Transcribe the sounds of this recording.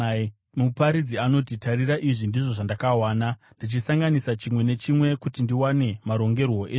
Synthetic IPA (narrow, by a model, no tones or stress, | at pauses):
mupaɾid͡ziano̞titaɾiraʔiʐindiʐo̞ʐandakawaːna | ndit͡ʃisaŋɡanisat͡ʃimwe̞ne̞t͡ʃimwe̞kutindiwane̞maɾo̞ŋɡe̞rwo̞ʔe